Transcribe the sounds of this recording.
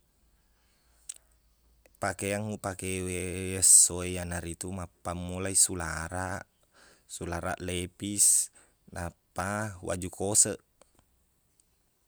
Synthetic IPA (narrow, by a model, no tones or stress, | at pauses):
pakeaŋupakewesoejanaɾit̪umapːamːulaisulaɾaʔ | sulaɾa̰ʔlepis | napawa̰d͡ʒukʰosəʔ